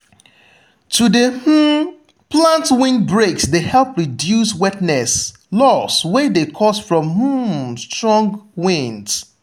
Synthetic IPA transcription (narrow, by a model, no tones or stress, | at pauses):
tʰudeh̩ | plãntwĩnd̚bɹeksdehɛlˠpɹidjuswɛtnɛs | lɔswedekʰɔsfɹɔ̃mh̩stɹɔ̃ŋɡwĩnd